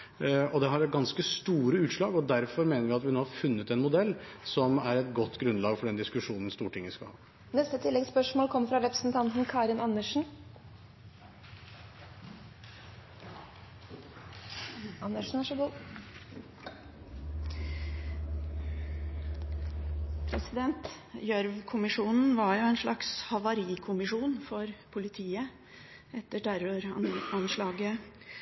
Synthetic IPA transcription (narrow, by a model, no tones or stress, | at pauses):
ɔd̪ɛɦɑɾɡɑnskəst̪uːɾəʉːt̪ʂlɑːɡɔd̪æɾfɔɾmeːnəɾʋɪɑt̪ʋɪnoːhɑɾfʉnːət̪ɛnmʊd̪ɛlːsɔmæɾɛt̪ɡɔt̪ːɡɾʉnlɑːɡfɔɖɛnd̪ɪskʉʂuːnən̩st̪uːəʈʰɪŋːəskɑ̰hɑ̰ː | nɛst̪ət̪ʰɪlːɛɡspœʂmoːlkʰɔmːəɾfɾɑɾɛpɾəsn̩t̪ʰɑnt̪n̩kʰɑːɾɪnɑnːəʂn̩ | ɑnəʂn̩æʂəɡuː | pʰɾɛsɪd̪ɛnt̪ | jœɾʋkʰʊmɪʂuːnn̩ʋɑɾjʊɛɪnʂlɑkshɑʋɑɾiːkʰʊmɪʂuːnfɔɾpʰʊlɪt̪ʰiːə | ɛt̪ːəɖæɾøɾɑnɑnʂlɑːɡə